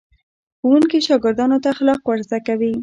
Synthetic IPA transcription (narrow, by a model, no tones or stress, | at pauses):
xuwuŋkiʃɑɡɪɾd̪ɑnot̪axlɑqwaɾzakawi